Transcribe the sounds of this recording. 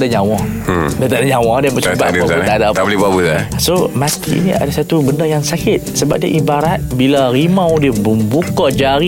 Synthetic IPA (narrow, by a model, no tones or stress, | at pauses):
daɲawɔ | dat̪adaɲawɔdɛnbəba̰baut̪adaalibabut̪asomat̪ḭḭnia̰dasat̪ubəndəjaŋsakɪt̪̚səba̰p̚dia̰ʔibaɾat̪̚bilaɾimãwdibəmbukad͡ʒaɾi